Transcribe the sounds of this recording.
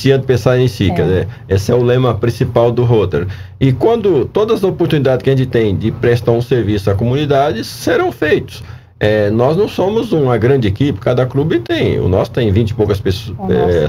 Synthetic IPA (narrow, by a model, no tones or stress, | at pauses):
siɐ̃t̪ɪ̥pẽsaɾẽj̃sikɛzeɾ | esɪɛʊlẽmɐpɾĩsipawd̪ʊɦot̪ḛɾɪkwɐ̃nd̪ʊt̪od̪ɐzɐopoɾt̪unid̪ad͡ʒɪ̥kɪɐʒẽnt͡ʃɪt̪ẽj̃d͡ʒɪpɾɛst̪aɾũseɾvisʊɐkomũnid̪ad͡ʒɪseɾɐ̃w̃fejt̪ʊ̥s | ɛnɔznɐ̃w̃sõmʊzũɐɡɾɐ̃nd͡ʒɪekipɪ̥kad̪ɐklubɪt̪ẽj̃ʊ̰nɔsʊ̥t̪ẽj̃vĩnt͡ʃɪ̥powkɐspesɛ